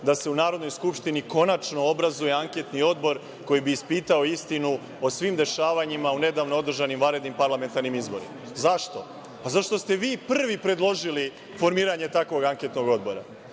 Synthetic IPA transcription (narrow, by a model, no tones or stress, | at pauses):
d̪ase̞unaːɾod̪no̞jskupʂt̪iniko̞nat͡ʃno̞obɾazuje̞aŋke̞t̪nio̞d̪bo̞ɾ | ko̞jibiːspiːt̪ao̞ist̪inu | o̞sʋimd̪e̞ʃaːʋaɲimaune̞d̪aːʋno̞o̞d̪r̩ʒanimʋaɾe̞d̪nimpaɾlame̞nt̪aɾnimizbo̞ɾḭmaazaʃt̪o̞ | pazaʃt̪o̞st̪e̞ʋiːpr̩r̩ʋipɾe̞d̪lˠo̞ʒili | fo̞ɾmiːɾaɲe̞t̪akʋo̞ɡaŋket̪noɡo̞d̪bo̞ɾa